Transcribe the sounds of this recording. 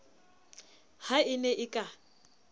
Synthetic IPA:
haɪnɛʔɪkʼa

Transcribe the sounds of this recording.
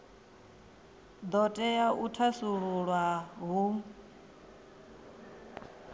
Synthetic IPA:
d̪ɔtʼɛjaʔutʰasuɺuɺwaɦu

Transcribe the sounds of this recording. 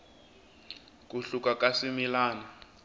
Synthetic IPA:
kuɬukakasimilaːna

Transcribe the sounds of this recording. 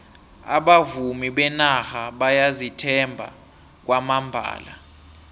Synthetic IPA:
a̰ɓavumiɓɛnahaɓajazitʰɛmbʱa̰ | k̬wʔamambʱa̰ːla̰

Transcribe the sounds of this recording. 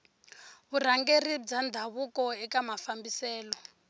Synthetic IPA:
βur̤aŋɡerid͡zand̪ʱaβukɔɛkamafambisɛːlɔ

